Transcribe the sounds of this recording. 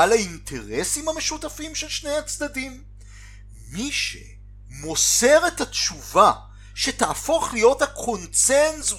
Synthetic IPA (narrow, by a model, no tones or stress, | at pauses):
alaintʰe̞ʁe̞simhame̞ʃutafimʃelʃnejat͡sd̪adim | miʃe̞̰ | mo̞se̞ʁetatʃuva | ʃe̞taʔːfo̞χlijo̞thakʰo̞nsenzu